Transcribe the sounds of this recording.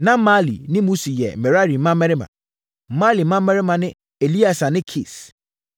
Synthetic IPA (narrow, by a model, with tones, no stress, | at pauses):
nã˦ma˦lḭ˨nɪ̃˦mũ˦si˨jɛ˨mɛ˨ɾa˦ɾi˨˦mã˦mːɛ˦ɾɪ˦mã̰˨˦ | ma˦li˨mã˦m˦mɛ˦ɾɪ˦mã˨nɪ̃˦ | e˨li˦a˨sa˨nɪ̃˦kʰe˨s